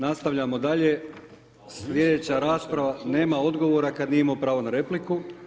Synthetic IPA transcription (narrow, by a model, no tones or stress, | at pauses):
nast̪aʋʎamo̞d̪aʎe̞ | sʎʲje̞d̪e̞t͡ɕaɾaːspɾaʋane̞ːmao̞d̪ɡo̞ʋo̞ːɾakad̪nimopɾaːʋo̞naɾe̞pliku